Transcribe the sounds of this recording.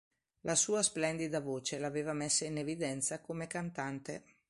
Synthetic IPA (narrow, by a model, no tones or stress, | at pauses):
lʔasuːasplɛnd̪id̪avoːt͡ʃelaːveːvamesːainevid̪ɛnt̪sakomekant̪ant̪ḛ